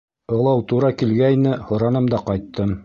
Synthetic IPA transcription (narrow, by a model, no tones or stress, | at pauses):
ɤ̆lˠɑwt̪uɾɑkilɡæjnɘhŏɾɑnɤmd̪ɑqɑjt̪ːɤm